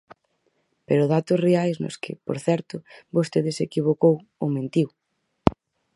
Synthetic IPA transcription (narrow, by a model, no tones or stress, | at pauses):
peɾʊðat̪ʊsreajznʊ̰skɪpo̰ɾθɛɾt̪ʊβost̪eðɪsekiβ̞okow | ʊmẽnt̪iw